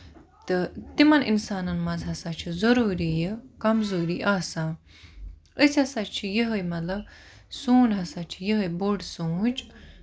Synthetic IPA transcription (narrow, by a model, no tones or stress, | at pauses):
t̪ɨt̪imɐninsaːnɐnmɐzɦɐsaːt͡ʃʰizɐɾuːɾijekɐmzuːɾiʔaːsãː | əsʲhɐsat͡ʃʰijəɦəjmɐlɐ | suːnɦɐsaːt͡ʃʰijəɦəjboɖsũːd͡ʒ